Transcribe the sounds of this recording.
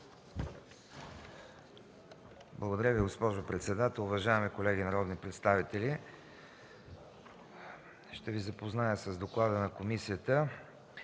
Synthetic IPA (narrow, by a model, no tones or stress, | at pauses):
blˠəɡod̪ɐɾʲjəviɡospɔʒopɾɛt̪sɛd̪at̪ɛlˠʊvɐʒaɛmikolɛɡʲinɐɾɔd̪nipɾɛt̪st̪avit̪ɛli | ʃt̪ɛvizəpoznajəsəzd̪oklˠad̪ənɐkomisijət̪ə